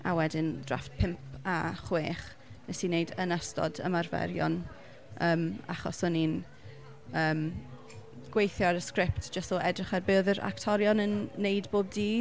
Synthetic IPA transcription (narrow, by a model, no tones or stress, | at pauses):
awɛdɪndra̰fpʰɪmpaχweːχ | nɛsineɨdənəstɔ̰də̰marvɛ̰ɾjɔ̰n | əːma̰χɔ̰sʊnin | əːm | ɡ̥wejθjɔɾəskrɪptʰd̥ʒ̥əstɔɛdrɪχarbɨːðəɾa̰ktʰɔɾjɔnənːeɨdboːb̚diː